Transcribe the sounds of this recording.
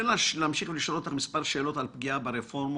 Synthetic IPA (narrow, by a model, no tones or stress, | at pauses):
elleːmʃiχveliʃolot̪aχmispaʁʃe̞ːlo̞t̪alpɡiabeɾefo̞ʁm